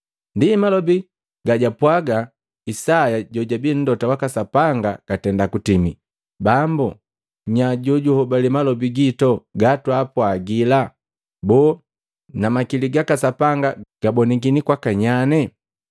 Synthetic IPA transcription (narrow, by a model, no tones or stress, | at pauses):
ndimalɔbi | ɡaɟapwaɡa | isajaɟɔɟabin̩dɔtawakasapaŋɡakatɛndakutimḭ | bambu | ɲaɟuɟuhɔbalimalɔbiɡitɔɡatwapwaɡila | bɔː | namakiliɡakasapaŋɡaɡ̥abɔniɡinikwakaɲanɛ